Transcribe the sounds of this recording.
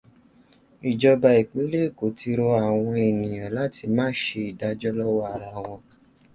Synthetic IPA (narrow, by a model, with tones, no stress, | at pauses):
i˨d͡ʒɔ˧ba˧i˨k͡pĩ˨˦le˦˨ko˨ti˧ɾo˧a˨w̃ɔ̃˧e˨nĩ˨j̃ã˨la˦ti˧mãː˦ʃe˧i˨da˨˧d͡ʒɔ˦lɔ˦wa˦a˨ɾa˧˦˨w̃ɔ̃˧